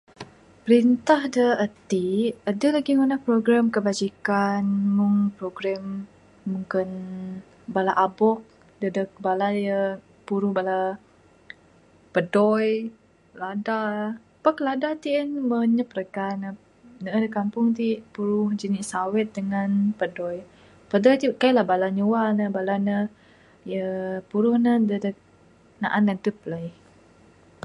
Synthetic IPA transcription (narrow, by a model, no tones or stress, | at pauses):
pəɾint̪ahdəət̪iədəlaɡiŋunahpɾoɡɾamkəbad͡ʒikanmuŋpɾoɡɾamː | uŋkɪn | balaʔabɔk̚ | dədək̚balajə | puɾuhbala | pədɔj | lada | pakladat̪iənməɲəpɾəkanə | nədəkampʊŋt̪̬ipuɾʊhd͡ʒəniʔsawɪt̪̚dəŋanpədɔj | pədɔjt̪ikailahbalaɲuwanəbalanə | jəpuɾʊhnədədək̚ | na̰ʔanant̪upələj